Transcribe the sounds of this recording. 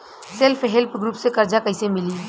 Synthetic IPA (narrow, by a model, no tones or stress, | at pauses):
sɪlfʰɦɪlpɡɾuːpsekɐɾd͡ʒakəisemɪliː